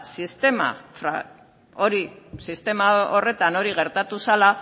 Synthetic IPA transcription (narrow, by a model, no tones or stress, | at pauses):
sist̪e̞ma̰fɾa̰ | o̞ɾisist̪e̞mao̞re̞t̪ano̞ɾiɣ̞e̞ɾt̪at̪usala